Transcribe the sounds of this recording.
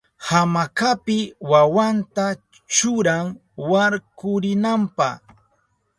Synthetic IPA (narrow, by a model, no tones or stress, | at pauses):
hamakapɪwawant̪a | t͡ʃʊɾaŋ | waɾkʊɾɪnampaχ